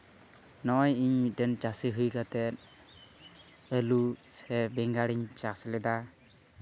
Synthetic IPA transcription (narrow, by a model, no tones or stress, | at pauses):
nɔjiɲmit̪̚ɖɛnt͡ʃasiɦɯjkat̪ɛt̪̚ | əlusɛbɛŋɡaɽiɲt͡ʃaslɛd̪a